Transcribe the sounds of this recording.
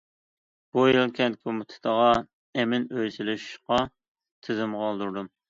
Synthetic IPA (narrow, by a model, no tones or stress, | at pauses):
b̥ujilˠkʲʰɛnt̪̚kʲʰmɨt̪ʰɨ̥t̪ʰəʁɑ | ɛmɪnøjsɪlɪʃqɑ | t̪ʰɪzɪmʁɑlˠd̪uɾd̪um